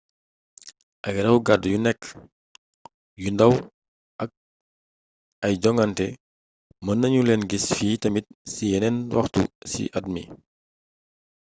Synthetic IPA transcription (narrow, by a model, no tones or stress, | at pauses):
ʔɐɡɾɐwɡadjunɛkː | jundɐw | ʔɐk̚ | ɐjd͡ʒɔŋɡantɛ | mɐnːɐɲulɛnɡisfiːtɐmit̚sijɛnɛnwɐ̰xtṵsḭʔɐd̚mḭ